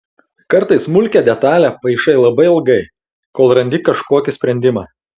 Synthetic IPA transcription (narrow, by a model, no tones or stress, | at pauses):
kɐɾt̪ɐɪsmʊlʲkʲɛd̪ʲɛt̪ɑːlʲæːpɐɪʃɐɪlˠɐbɐɪɪlˠɡɐɪ | koːlˠɾɐnʲd̪ʲɪkɐʃkoɔkʲɪsʲpʲɾʲɛnʲd̪ʲɪmɑː